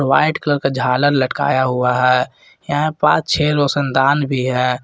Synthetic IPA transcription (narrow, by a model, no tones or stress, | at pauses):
wa̰ːɪʈkələɾkad͡ʒʱaːləɾləʈka̰ːjaɦʊaɦɛː | jaɦpãːt͡ʃt͡ʃʰeːɾosənd̪aːnbʱiɦɛː